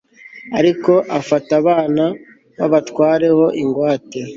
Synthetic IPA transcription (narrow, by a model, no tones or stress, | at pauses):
aɾiko̞ʔafataβaːna | βaβatkwaːɾe̞ho̞ʔiŋɡwaːte